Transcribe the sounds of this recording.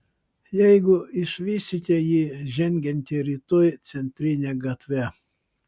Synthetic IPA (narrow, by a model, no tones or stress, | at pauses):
jɛjɡʊɪʃʋʲiːsʲɪt̪ʲɛjiːʒʲɛŋʲɡʲɛnʲt̪ʲɪɾʲiːt̪ɔjt̪sʲɛnʲt̪ʲɾʲinʲɛɡɐt̪ʲʋʲɛ